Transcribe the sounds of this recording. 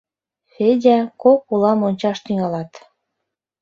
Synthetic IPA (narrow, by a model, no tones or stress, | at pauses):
fedʲækokulɑmonʲt͡ɕɑʃt̪yŋɑlɑt̪